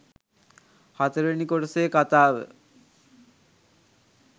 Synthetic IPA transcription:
hat̪eɾenikoʈsekat̪aːbḛ

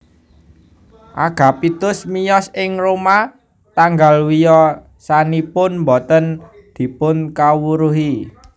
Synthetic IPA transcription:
ʔaɡ̥ä̤pit̪ʊsmijɔsɪŋroma | t̪aŋɡalwijɔ | sanipʊnmbɔt̪ən | d̪̥i̤pʊnkawuɾuɦi

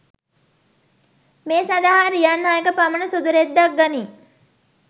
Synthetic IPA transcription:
meːsad̪aɦaɾijanːaːekəpamənəsud̪uɾed̪ːak̚ɡaniː

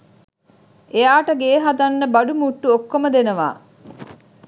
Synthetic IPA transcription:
ʔejaːʈəɡeːɦad̪ɐnːəbɐɖumuʈːuokːoməd̪enəʋa̰ː

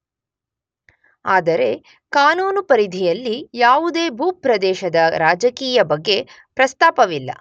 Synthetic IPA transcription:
aːd̪ɐɾe̞ | kaːnuːnupɐɾid̪ʱijɐlːijaːʋud̪e̞ːbʱuːpɾɐd̪ɛːʃɐd̪ɐɾaːd͡ʒɐkiːjɐbɐɡːe̞ | pɾɐst̪aːpɐʋilːɐ̰

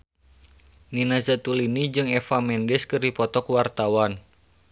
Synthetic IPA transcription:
ninazat̪ulinid͡ʒɨŋɛfamɛndɛskɨrdipɔt̪ɔkwart̪awan

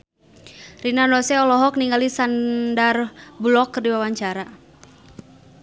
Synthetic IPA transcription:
rinanɔsɛɔlɔɦɔk̚niŋɡalisandarblɔkːərdiwawaɲt͡ʃaɾa

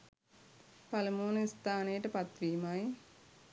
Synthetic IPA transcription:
palɐmoːnəist̪ʰaːnejəʈəpat̪ʋiːmaji

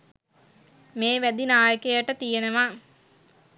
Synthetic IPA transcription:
meːʋæd̪inaːjəkejəʈət̪ijenəʋa

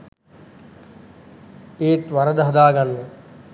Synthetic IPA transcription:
eːt̪ʋɐɾəd̪ɐɦɐd̪aːɡɐnːe

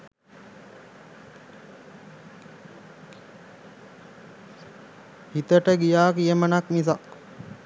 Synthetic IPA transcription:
hit̪əʈəɡijaːkiəmənaknis̬ak

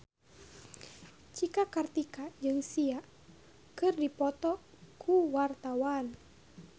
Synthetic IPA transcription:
t͡ʃikakart̪ikad͡ʒɨŋsia | kɨrdipɔt̪ɔ | kʰuwart̪awan

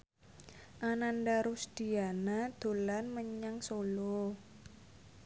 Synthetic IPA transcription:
ʔanandaɾusd̪̥i̤anad̪̥o̤lanməɲaŋsolo

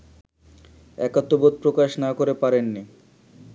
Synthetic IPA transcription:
ɛkat̪ːobot̪̚pɾokaʃnakoɾepaɾenːi

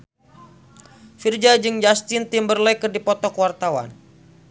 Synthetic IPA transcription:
fird͡ʒad͡ʒɨŋd͡ʒast̪ɪnt̪imbərlɛjkɨrdipɔt̪ɔkwart̪awa̰n

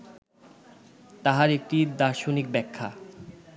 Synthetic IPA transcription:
t̪aɦaɾek̚ʈid̪aɾʃonik̚bɛkʰːa

